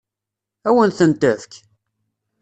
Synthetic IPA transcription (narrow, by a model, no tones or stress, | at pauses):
æwənθənt̪æfk